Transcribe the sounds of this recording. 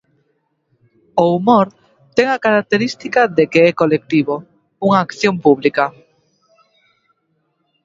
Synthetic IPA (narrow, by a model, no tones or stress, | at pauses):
oumoɾ | t̪ɛŋakaɾak̚t̪eɾist̪ikaðekeɛkolek̚t̪iβo | uŋaːkθjompuβlika